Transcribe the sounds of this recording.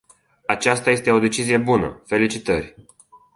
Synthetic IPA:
at͡ʃast̪aje̞st̪e̞o̞d̪e̞t͡ʃizije̞bunə̰fe̞lit͡ʃit̪ərʲ

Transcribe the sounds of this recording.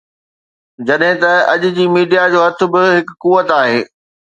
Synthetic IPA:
d͡ʑɐɗɦɪ̃t̪ɐɐʄʊ̆d͡ʑiːmiːɖijad͡ʑoːɦɐt̪ʰʊ̆bɪɦɪkːuːʋət̪aːɦeː

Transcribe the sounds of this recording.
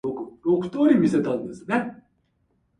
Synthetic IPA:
okɯɾo̞kɯ̟̥t̪o̞ːɾʲimʲise̞t̪ãnd̪esɨne̞

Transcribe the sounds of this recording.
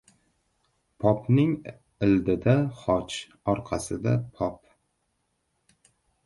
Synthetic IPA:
pʰɒpnɪŋ | ɪld̪ɪd̪aχɒt͡ʃ | ɒɾqʰɑsɪd̪apʰɒp

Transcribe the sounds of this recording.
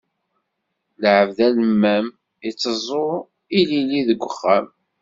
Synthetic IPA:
lʕəvðæləmːæm | it͡sːəzˤo | ililiðəɡʷːəχːæm

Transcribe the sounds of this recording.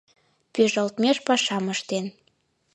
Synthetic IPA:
pyʒəlt̪mʲeʃpɑʃɑməʃt̪en

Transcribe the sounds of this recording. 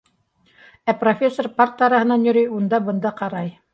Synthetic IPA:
æprofʲe̞sːorpɑɾt̪ːɑɾɑhɤ̆nɑnjɵ̆ɾɵjund̪ɑbɤ̆nd̪ɑqɑɾɑj

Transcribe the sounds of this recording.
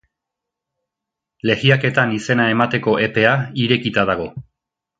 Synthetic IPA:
le̞ɣiake̞t̪anise̞nae̞mat̪e̞ko̞ʔe̞pe̞aiɾe̞kit̪að̞aɣ̞o̞

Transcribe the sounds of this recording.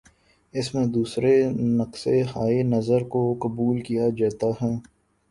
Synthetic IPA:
ɪsmẽd̪uːsɾenɐqsehaːenɐzəɾkokɐbuːlkijad͡ʒaːt̪aɦɛː

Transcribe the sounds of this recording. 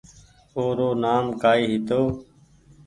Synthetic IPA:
oːɾoːnaːmkaːiːɦɪt̪oː

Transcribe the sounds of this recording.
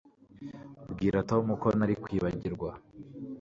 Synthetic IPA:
bɡiːɾatomuko̞naɾikwiːβaɟiɾɡwa

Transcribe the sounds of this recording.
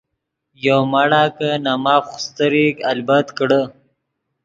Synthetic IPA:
jowmaɽakənamɑːfxʊ̥st̪əɾikalbat̪kɽə

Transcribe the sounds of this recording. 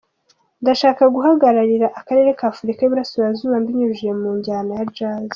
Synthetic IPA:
ndaʃaːkaɡuɦaɡaɾaɾiɾaʔakaɾe̞ɾe̞kaːfuɾikajuβuɾasujazuβambiɲuʒemuːɲɟaːnajad͡ʒaz

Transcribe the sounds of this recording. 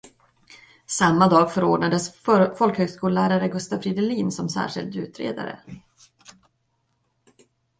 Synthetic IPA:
samːad̪ɑːɡfœɾoːɖɳad̪əsfɔlkhøːɡskuːllæːɾaɾəɡɵst̪avfɾiːd̪ɛliːnsɔmsæ̰ːʂɪ̰ld̪ʉ̟ːt̪ɾḛːd̪a̰ɾə̰

